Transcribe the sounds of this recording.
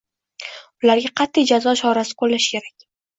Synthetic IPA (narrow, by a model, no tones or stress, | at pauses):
ʊlaɾɡʲaqʰɑt̪ʰːɪjd͡ʒazɒʃɒɾasɪ̥kʰolːaʃkʲʰe̞ɾakʲ